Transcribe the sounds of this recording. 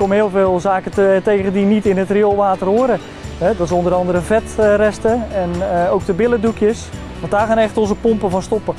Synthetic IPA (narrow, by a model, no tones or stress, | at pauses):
kɔmɦɪːlˠveːlˠzaːkətejɣəndinitɪnətriolˠʋaːtərɦoːɾə | ɦɛdɔtɪsɔndəɾɑndəɾəvɛtrɛstəɛnowk̚dəbɪlədukjəs | ʋɑndaːχaːnɛχtɔnzəpɔmpəvɑnstɔpə